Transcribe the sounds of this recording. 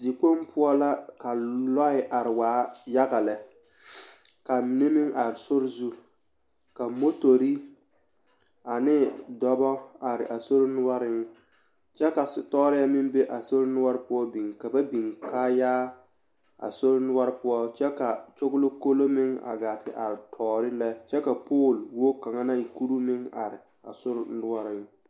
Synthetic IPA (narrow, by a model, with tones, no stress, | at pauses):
zi˨k͡po˦m˦pʰʊ˦ɔ˦la˦ka˨lɔ˦ɪ˨ʔa˨ɾɪ˨waː˨˦ja˦ɣa˨lɛ˨ | ka˨mɪ˨nɪ˦mɪ˦ŋa˨ɾɪ˨sʊ˦ɾzu˦ | ka˨mo˦to˨ɾi˦ | a˨nɪ˦dɔ˦bɔ˦a˨ɾɪ̰˨ʔa˨so˦ɾnʊ˦wa˦ɾɪ˦ŋ | t͡ʃɛ˦ka˨sɪ˨tɔː˦ɾɪ˦a˦mɪ˦m˦be˦ʔa˨so˦ɾɪ˦nʊ˦wa˦ɾɪ˦pʊ˦ɔ˦bi˨ŋka˨ba˦bi˨ŋkaː˦jaː˦ | a̰˨so˦ɾnʊ˦wa˦ɾpʊ˦ɔ˦t͡ʃɛ˦ka˨t͡ʃo˦ɡʊ˦lo˦ko˦lo˦mɪ˦ŋa̰˨ɡa˨tɪ̰˨ʔa˨ɾɪ˨tʰɔː˨ɾɪ˦lɛ˦t͡ʃɛ˦ka˨poː˦˨lwo˦ka˨ŋa˦na˦i˨ku˦ɾu˦mɪ˦ŋa̰˨ɾɪ̰˨ | a̰˨sʊ˦ɾnʊ˦wa˦ɾɪ˦ŋ